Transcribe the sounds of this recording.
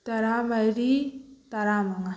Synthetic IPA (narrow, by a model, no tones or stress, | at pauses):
t̪ɐɾamajɾit̪aɾamaŋa